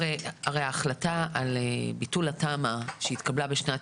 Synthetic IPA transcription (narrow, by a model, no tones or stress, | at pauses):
eaʁejaːχlataalebitulatamaʃeit̪kablabeʃna